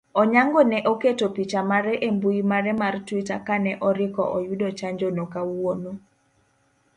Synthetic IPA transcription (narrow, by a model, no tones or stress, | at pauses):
ɔɲaŋɡɔnɛʔoketopit͡ʃamaɾɛʔembuimaɾɛmartwitakanɛʔɔɾɪkɔ̰ʔɔjudot͡ʃaɲd͡ʒonokawwono